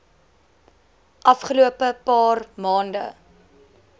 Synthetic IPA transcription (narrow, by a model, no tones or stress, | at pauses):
ʔɐfχəluəpəpɑːrmɑːndə̰